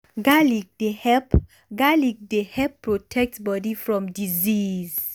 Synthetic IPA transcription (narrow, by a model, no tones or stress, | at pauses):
ɡalik̚d̥ehɛp | ɡalik̚dehɛpːɹɔtʰɛk̚tbɔdifɹɔ̃mdiziz